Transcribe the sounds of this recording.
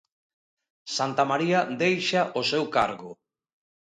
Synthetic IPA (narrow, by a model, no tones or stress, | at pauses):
sant̪amaɾiad̪ejʃaʔosewka̰ɾɣʊ